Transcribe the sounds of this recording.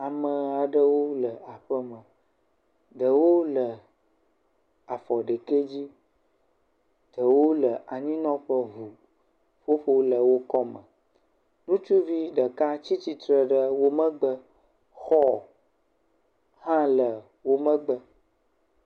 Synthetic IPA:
a˨mə̃˨a˨ɖə˦wo˦lə˨a˨ɸə˦mə̃˨ | ɖ̪ə˨wo˦lə˨ | a˨fɔ˨ɖə˨ke˦d͡ʑi˦ | d̪̥ə˨wo˦lə˨ʔa˨ɲĩ˦nɔ̃˦ɸə˦vu˨ | ɸo˦ɸo˦lə˨wo˦kɔ˦mə̃˨ | nũ˦t͡ʃu˦vi˦ɖə˨ka˦t͡ɕi˦t͡ɕi˦t̪ɾə˨ɖə˦wo˦mə̃˦ɡ͡bə˦ | xɔ˦ | hã˦lə˨ | wo˦mə̃˦ɡ͡bə˦

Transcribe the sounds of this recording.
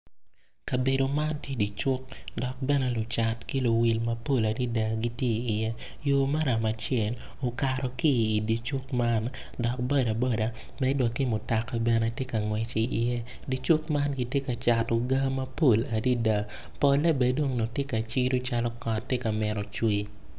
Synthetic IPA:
ka˨be˨do˨ma˦ntje˦di˨t͡ʃʊ˦kdɔ˨k̚bɛ˦nɛ˨lʊ˨t͡ʃa˨tki˦lo˨wi˨lmɐ˨po˦la˨di˦da˨ɡi˦tjeː˦˨jɛ˦ | jo˨ma˦ɾa˨ma˨t͡ʃjɛ˨n | o˨ka˨ɾɔ˨kiː˦˨di˨t͡ʃu˦kma˦n | dɔ˨k̚bɔ˦da˨bɔ˦da˨ | mɛ˦dwa˨kːi˦mʊ˨ta˨kːa˨bɛ˨nɛ˨tje˦ka˨ŋwɛ˨t͡ʃi˨ʔɪ˨jɛ˦ | di˨t͡ʃu˦kma˦nɡi˦tje˦ka˨t͡ʃa˨to˨ɡa˦mɐ˦po˦la˨di˦da˨ | pɔ˨˦lɛ˦be˨do˦ŋno˨tje˦ka˨t͡ʃi˦ɾo˦t͡ʃa˦lɔ˦kɔ˨tːe˦ka˨mɪ˨ɾɔ˨t͡ʃwi˦˨

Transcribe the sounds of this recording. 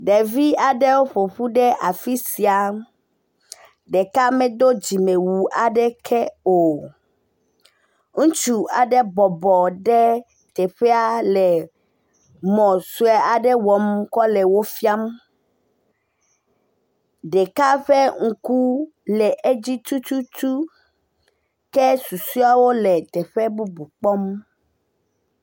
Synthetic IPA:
ɖɛ˨vi˦a˨ɖɛ˦wo˦ɸo˨ɸu˦ɖɛ˦ʔa˨fi˦si˨a˨ | ɖe˨ka˦mɛ̃˦d̪o˦d͡ʑi˨me˨wu˨ʔa˨ɖɛ˦kʰɛ˦o˨ | ŋũ˦t͡ʃu˨a˨ɖɛ˦bɔ˨bɔ˨ɖɛ˦ | t̪ɛ˨ɸɛ˦a˦lɛ˨ | mɔ̃˨su˦ɛ˨˦a˨ɖɛ˦wɔ˨mkɔ˦lɛ˨wo˦fi˦a˦m | ɖɛ˨ka˦ɸɛ˦ŋ̩˨ku˦ | lɛ˨ʔe˦d͡ʑi˦t̪u˦t̪u˦tu˦ | kɛ˦su˨su˦a˦wo˦lɛ˨t̪ɛ˨ɸɛ˦bu˦bu˨k͡pɔ˦m

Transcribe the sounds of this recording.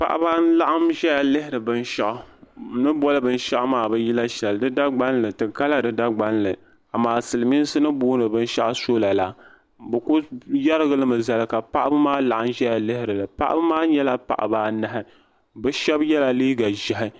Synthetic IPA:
pa˨ʔa̰˦baː˦n̩˦la˦ʔa˦mʒɛ˦ja˨lɨ˦hɪ˦ɾɨ˨bɨ˦n˦ʃa˦ʔʊ˨nɨ˦bɔ˦lɨ˦bɨ˦n˦ʃa˦ʔmaː˨bɛ˦ji˦la˦ʃɛ˨ldɨ˦da˦ɡ͡ba˦n˦lɨ˨tɨ˨ka˦la˦dɨ˦da˦ɡ͡ba˦nlɨ˨ | a˨maː˨sɨ˨lɨ˨mi˦n˦sɨ˦nɨ˦buː˦nɨ˨bɨ˦n˦ʃa˦ʔso˦la˨la˨ | bɨ˨kʊ˦ja˦ɾɨ˦ɡɨ˦lɨ˦mɨ˨za˨lɨ˨ka˨pa˦ʔa˦bɨ˦maː˦la˨ʔa˦mʒɛ˦ja˨lɨ˦hɪ˦ɾɨ˨lɨ˨pa˦ʔa̰˦bɨ˦maː˦ɲɛ˦la˦pa̰˨ʔa̰˨baː˦nɨ˦ɦɪ˦ | bɨ˦ʃɛ˦bjɛ˦la˨liː˦ɡa˨ʒɪ˨ɦɪ˦

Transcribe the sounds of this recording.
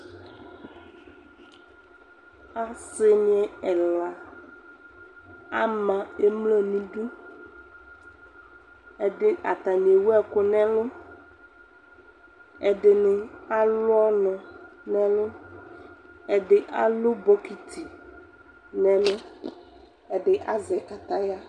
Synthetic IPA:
a˦se˦mĩ˦ɛ˨ɛ˨la˨ | a˦mã˨e˦mle˦nĩ˦ɖu˦ | e˨ɖe˦a̰˨t̪a˨mĩ˨e˨wo˦ɛ˨ko˨nɛ̃˦lo˦ | e˨ɖe˨ne˨a˦lo˦ɔ˦nɔ̃˨nɛ̃˦lo˦ | e˨ɖe˨ʔa˦lo˦bɔ˦ki˨t̪ʰi˨ | nɛ̃˦lo˦ | e˨ɖe˨ʔa˦zɛ˨ka˨t̪a˦ja˦

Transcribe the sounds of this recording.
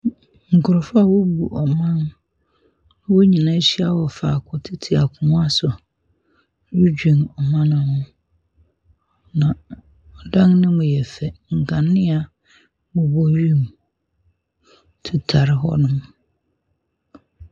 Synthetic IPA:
ŋ̩˨kʰʊ˨ɾʊ˨fʊ˦a˦˨wo˦bu˨ʔɔ˨mã˦n˦ | wo˦ɲĩ˨nã˦ɕi˦a˦wɔ˨fa˨kʰʊ˨tʰɪ˦tʰi˨a˨kʰʊ˨mʊ̃˦a˦sʊ˨ | wu˦d͡ʑᶣĩ˨nɔ˨mã˦nʊ̃˨hʊ̃˦ | nã˨ | ɔ˨dã˦ŋnɪ̃˦mʊ̃˨jɛ˨fɛ˨ŋ̩˨kʰã˨nːɪ̃˦a˨ | mʊ̃˨bɔ˦ɥi˦m | tʰu˨tʰa˨ɾɪ˦ɦɔ̰˦nʊ̃˦m

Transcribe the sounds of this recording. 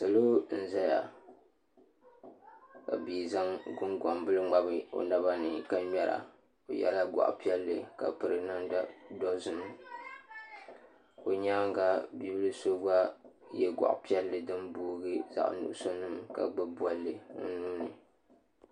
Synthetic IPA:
sa˨lo˦n̩˦za˦ja˨ | ka̰˨bi˨za˦ŋɡʊ˦ŋɡɔ˨mbɨ˦lɨ˦ŋ͡ma˦bɨ˨o̰˨na˦ba˦nɨ˨ka˦mɛ˦ɾa̰˨ | o˨jɛ̰˦la˦ɡʷa̰˨ʔpi˦ɛ˦lːɨ̰˨ka̰˨pɨ˨ɾɨ˨˦na˦nda˦dɔ˦zɨ˨nɨ˦ | ko˨ɲaː˦ŋ˦ɡa˨bi˦bɨ˦lɨ˦so˦ɡa˦ | jɛ˦ɡʷa̰˨ʔpi˦ɛ˦lːɨ˨dɨ˦mbuː˦ɡɨ˦za̰˨ʔnṵ˨ʔʊ˦so˦nɨ˦mka̰˨ɡ͡bɨ˦bwa˦lːɨ˨nɨ̰˨nuː˦nɨ˨

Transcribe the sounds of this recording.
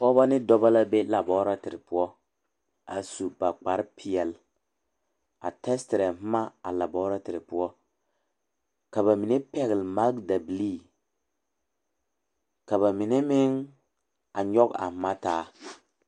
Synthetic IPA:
ɔ˦ba˦nɪ˦dɔ˦ba˦la˦be˦la˨bɔ˦ɾa˦tɪ˨ɾɪ˨pʊ˦ɔ˦ | a˨su˨ba˨k͡pa˨ɾpʰi˨ɛ˨l | a̰˨tɛ˦stɪ˨ɾɛ˨m̩˦ma˦a̰˨la˨bɔː˦ɾa˦tɪ˨ɾɪ˨pʊ˦ɔ˦ | ka˨βa˨mi˨ne˦pɛ˨ɣɪ˨lma˦ɡ̚da˨bli˦˨ | ka˨ba˨mi˨ne˦mɪ˦ŋ | a˨ɲɔ˦ka̰˨m̩˨˦ma˦taː˨˦

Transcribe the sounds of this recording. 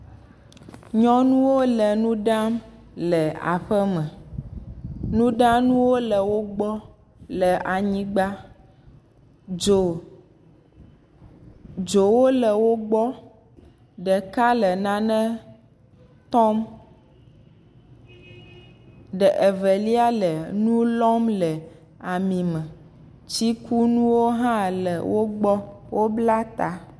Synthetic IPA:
ɲɔ̃˦nũ˦wo˦lɛ˨nũ˦ɖa˦m | lɛ˨a̰˨ɸɛ˦mɛ̃˨ | nũ˦ɖã˦nũ˦wo˦lə˨wo˦ɡ͡bɔ˦ | lɛ˨ʔa˨ɲĩ˦ɡ͡ba˦ | d͡ʒo˨ | d͡ʒo˨wo˦lə˨wo˦ɡ͡bɔ˦ | ɖə˨ka˦lə˨nã˨nɛ̃˦ | t̪ɔ˦m | ɖɛ˨ʔe˨vɛ˨li˦a˦lə˨nũ˦lɔ˦mlə˨ | a˨mĩ˨mɛ̃˨ | t͡ɕi˦ku˦nũ˦wo˦ɦã˦lə˨wʔo˦ɡ͡bɔ˦wo˦bla˦t̪a˨

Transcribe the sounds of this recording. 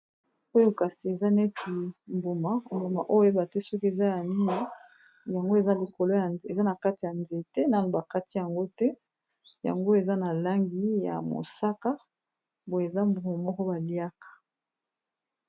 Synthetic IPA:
o˦jo˦ka˨si˨e˨za˦nɛ˦tʰi˨mbo˨ma˨˦mbo˨ma˨ʔo˦e˦ba˨tɛ˦sɔ˦ke˨za˦ja˨ni˦ni˦ | ja˨ŋɡo˦e˨za˦li˨ko˨lo˦ja˨e˨za˦na˨ka˦ti˨ja˨nze˨tɛ˦na˦no˨ba˨ka˦ti˦ja˨ŋɡo˦tɛ˦ | ja̰˨ŋɡo˦e˨za˦na˨la˦ŋɡi˦ja̰˨mo̰˨sa˦ka˦ | bo˨e˨za˦mbu˨ma˨mɔ˦kɔ˦ba˨li˦a˦kḁ˨

